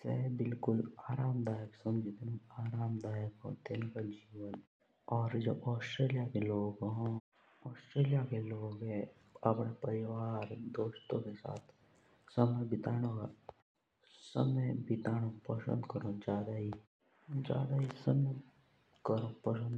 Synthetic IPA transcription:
sɛ̰bɪlkʊlaːɾaːmd̪aːjəksə̃md͡ʒit̪enaːɾaːmd̪aːjəkɦõ̰t̪enkəld͡ʒiːʋən | ɔːɾd͡ʒobɔːsʈɾeːlijakeloːɡɦõ | ɔːsʈɾeːlijakeloːɡɦɛ̃ | ɐpɽapəɾɪʋaːɾd̪oːʃt̪õkesa̰ːt̪ʰ | səməjbɪt̪aːɽ̃õɡa | səməjbɪt̪aːɽ̃õpəsə̰̃nd̪kəɾõd͡ʒaːd̪aɦi | d͡ʒja̰ːd̪aɦisəmə | kəɾõpəsə̃nd̪

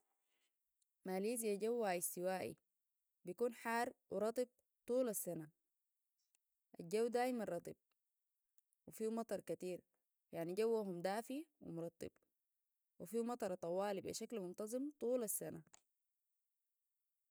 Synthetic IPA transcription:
maːliːz̬jaɟawːaist̪iwaːʔḭ | bijkuːnħaːrˤwiɾˤɑt̪ˤib̚ | t̪ˤuːlasːana | ʔad͡ʒawːd̪aːjimanrˤɑt̪ˤḭb̚ | wifiːmɑt̪ˤɑɾˤkat̪iːɾ | jaʕniɟawːaɦumd̪aːfiwḭmuɾˤɑt̪ˤːḭb̥ | wifiːmɑt̪ˤɑɾˤt̪ˤɑwaːlibḭʃaklmunt̪ɑzˤɨmt̪ˤuːlasːana

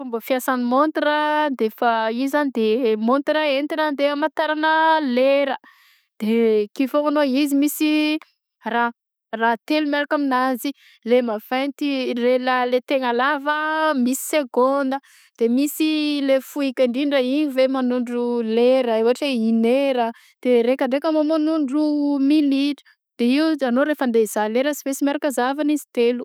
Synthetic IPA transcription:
fumbəfiasanimont̪rad̪efəizanid̪emont̪ɾaent̪inand̪emat̪aɾanəleɾə | d̪̥ekifoanoizimisi | ra | rat̪elumeɾakaminazi | lemavajnt̪irelalet̪eŋalavəmisi̥seɡond̪ə | d̪̥emisilefuikaɳɖ͡ʐiɳɖ͡ʐaiɲivemanuɳɖ͡ʐuleɾəewaʈ͡ʂeineɾə | d̪̥eɾekaɳɖ͡ʐekəmomanuɳɖ͡ʐumiliʈ͡ʂə̥ | d̪̥eiuanoɾefənd̪ez̥aleɾəsivesimaɾakəzavanizi̥t̪elu

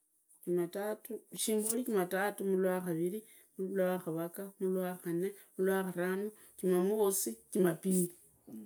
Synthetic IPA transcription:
imatatuʃiːŋɡulikimatatumulwaxaβiɾi | mulwaxaβakamulwaxanemulwaxaɾamu | kimamoosikimapili

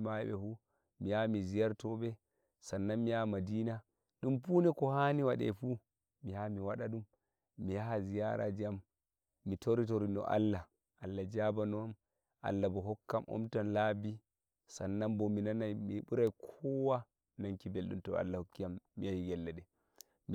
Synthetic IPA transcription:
maɓɛ̰fu | mijamizijaɾtɔbɛ | sanːamijamadiːna | ɗumpunɛkɔhaniwaɗɛ̰fu | mihamiwaɗaɗumː | ijahazija̰ɾa̰d͡ʒiamː | itoɾitoɾinɔ̰ʔa̰lːa | ʔalːad͡ʒabanɔn | ʔa̰lːabɔɦɔkːamʔɔ̰mtanlabi | sanːambɔminanajmiɓuɾajkʰɔwa | naŋkibelɗumtɔa̰lːahokːijamːijajiɡɛlːɛɗɛ | m

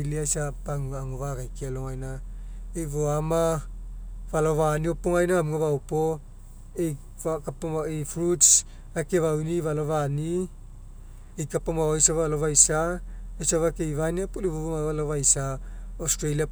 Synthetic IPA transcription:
liasapaŋaŋovaɡajkialoŋajnaejvoama | valoβaniopoŋajnamŋoβawpo | ej | akapamaefɾuts | akeβawnivalovani | ejkapamajsaβalovajsaejsaβakejvaniapulivomaalovajsaostɾalia

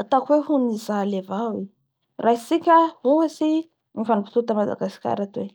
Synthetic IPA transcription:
at̪akweɦunizalevawi | raɦisikʲəhuasi | nifanipi̥t̪ut̪amad̪a̰ɡaskʲa̰ɾat̪e

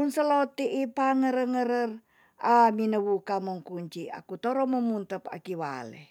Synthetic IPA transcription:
munsəlot̪iʔːpaŋəɾəŋəɾər | ʔaminəwukamoŋkuɲt͡ʃia̰kut̪oɾɔmomunt̪əpa̰kiwa̰lḛ

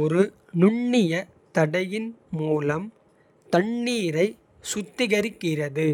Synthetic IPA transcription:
ɔɾɯ | nʊɳːɪjɐ | t̪ɐɽɐjɪnmuːlɐm | t̪ɐɳːiːɾɐɪ | sʊt̪ːɪɣɐɾɪkːɪrɐðɯ

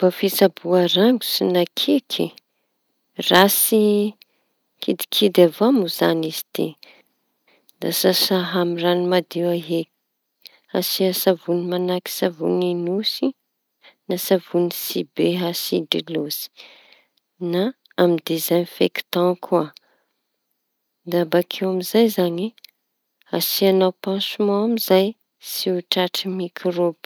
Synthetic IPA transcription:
b̥afisabuaɾaŋɡu̥sinakʰekʰḭ | rasi | kʰid̪i̥kʰid̪avamuzanizi̥t̪ḛ | d̪asasaɦamiranimad̪iwaɦe | a̰siasavunimanaki̥savṵninusi | nasavunisibeɦasidilosi̥ | naː | mid̪ezajnifeki̥t̪ãkʰua | d̪abakʰewamizajzaɲi | asianawpãsumãamizaj | siuʈ͡ʂaʈ͡ʂimikʰrob

